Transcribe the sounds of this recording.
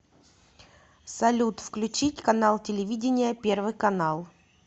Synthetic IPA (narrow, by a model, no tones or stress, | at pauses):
sɐlʲut̪fklʲʉt͡ɕitʲkɐnalˠtʲɪlʲɪvʲidʲɪnʲɪjəpʲe̞rvɨjkɐnalˠ